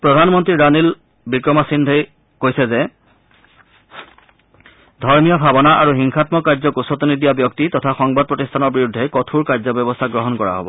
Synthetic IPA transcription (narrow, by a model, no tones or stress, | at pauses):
pɹɔdʱanmɔntɹiɹanil | bikɹɔmasindʱej | kojsɛzɛ | dʱɔɹmijɔbʱabɔnaʔaɹuɦiŋxʰatmɔkaɹzɔkusɔt̪ɔnidijabjɔk̚titɔtʰaxɔŋbad̚pɹɔtistʰanɔɹbiɹudʱːɛkɔtʰuɹkaɹzɔbjɔbɔstʰaɡɹɔɦɔnkɔɹa̰ɦo̰bɔ̰